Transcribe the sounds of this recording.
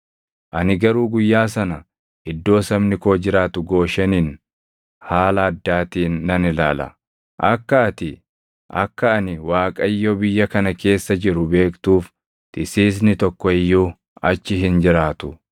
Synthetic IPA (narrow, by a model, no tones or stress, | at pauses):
ʔɐnɪɡɐɾuːɡʊjːaːsɐnɐ | ɪd̪ːo̞ːsɐmnɪko̞ːd͡ʒɪɾaːt̪ʊɡo̞ːʃɐniːn | haːlɐːd̪ːaːt̪iːnːɐnɪla̰ːlɐ̰ | ʔɐkːɐɐt̪ɪ | ʔɐ̰kːɐɐnɪwaːkʼɐɪjːobɪjːɐkɐnɐke̞ːsːɐd͡ʒɪɾʊbe̞ːkt̪uːf | t̪ɪsiːs̬nɪt̪ɔkːɔɪjːuː | ɐt͡ʃːɪɦɪnd͡ʒɪɾaːt̪ʊ